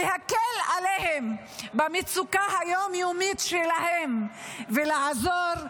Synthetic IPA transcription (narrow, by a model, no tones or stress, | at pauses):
ehakelalehem | bamit͡sukahajomjomit̪ʃelahemvelaazoʁ